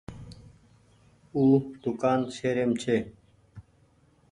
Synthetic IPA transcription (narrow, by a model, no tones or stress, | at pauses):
uːd̪̥ʊkaːnsʰeːɾeːmt͡ɕʰeː